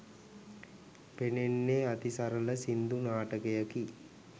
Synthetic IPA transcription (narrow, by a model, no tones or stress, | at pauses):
penenːeat̪isaɾələsind̪unaːʈəkejəki